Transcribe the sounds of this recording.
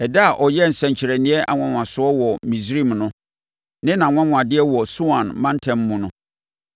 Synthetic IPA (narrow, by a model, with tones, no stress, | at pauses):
ɛ˨da˦a˨ʔɔ˨jɛ˦n̩˨sɛ̃˨ɲ̩˨t͡ɕʰɪ˨ɾæ˨nɪ̃˦ɛ˦ʔa̰˨ŋʷã˦ŋʷ˨ã˨sʊ˦ɔ˦wɔ˨mĩ˨sɾi˦˨mnʊ̃˦ | nɪ̃˦nã˨ŋʷã˦ŋʷ˨ã˨dɪ˦ɛ˦wɔ˨su˦ã˨nmã˦n˦tʰɛ̃˨mː˦ũ˨nʊ̃˨˦